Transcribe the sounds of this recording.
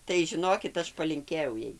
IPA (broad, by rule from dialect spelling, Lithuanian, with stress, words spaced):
tɐɪ ʒʲɪˈnoːkʲɪt ˈɐʃ pɐlʲɪŋʲˈkʲeːjɛʊ ˈjɛɪ